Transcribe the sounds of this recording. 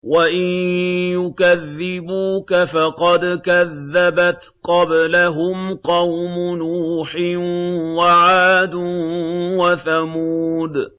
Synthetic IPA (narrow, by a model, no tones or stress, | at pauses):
waʔɪnjʊkaðːɪbuːkafɑqɑd̪kaðːabat̪qɑblaɦʊmqɑwmʊnuːħɪnwaʕaːd̪ʊwaθamuːd̪